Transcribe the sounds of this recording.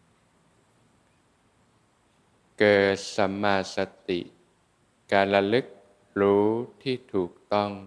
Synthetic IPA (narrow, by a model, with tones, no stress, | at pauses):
kɤː˨˩t̪̚sa˧˦maː˧sa˧t̪ḭ˨˩ʔ | kaː˧nla˧lɯ˦˥k̚ | ɾuː˦˥t̪ʰiː˥˩t̪ʰuː˨˩k̚t̪ɔ˥˩ŋ